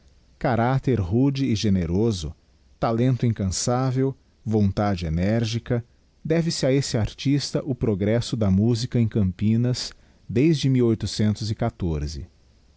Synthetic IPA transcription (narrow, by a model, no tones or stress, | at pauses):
kaɾat̪eɾɦud͡ʒiːʒeneɾozʊ̰ | t̪alẽnt̪ʊĩŋkɐ̃savew | võnt̪ad͡ʒɪenɛɾʒikɐ | d̪ɛvɪsɪaesɪaɾt͡ʃist̪ɐʔʊpɾoɡɾɛsʊd̪ɐmuzikɐẽkɐ̃mpĩnɐs | d̪ejzd͡ʒɪmiwojt̪ʊsẽnt̪ʊzɪkat̪oɾzɪ̰